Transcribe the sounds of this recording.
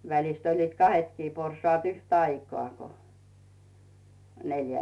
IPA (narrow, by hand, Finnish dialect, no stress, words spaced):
ʋælist olʲliːt kɑhetkiː porsɑːt yhtɑikoɑˑ ko neljæ